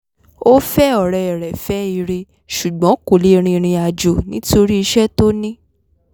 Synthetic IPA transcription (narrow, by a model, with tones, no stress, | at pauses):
o˦fɛ˦ɔ˨ɾɛ˨ɛ˨ɾɛ˨fɛ˦i˨˧˨ɾe˧ | ʃu˨ɡ͡bɔ̃˨˦ko˨le˦˧ɾ̃ĩ˧ɾ̃ĩ˧a˨d͡ʒo˨nĩ˨˦to˧ɾi˦i˧ʃɛ˦to˦nĩ˦